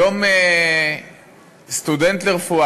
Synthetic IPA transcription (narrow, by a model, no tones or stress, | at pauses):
ome | st̪ud̪ent̪leʁfua